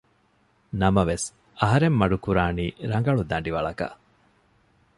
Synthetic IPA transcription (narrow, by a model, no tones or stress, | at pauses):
nɐmɐʋes | ɐɦɐɾemːɐɖukuɾaːniːɾɐŋɡɐɭud̪ɐɳɖiʋɐɭɐkɐ̰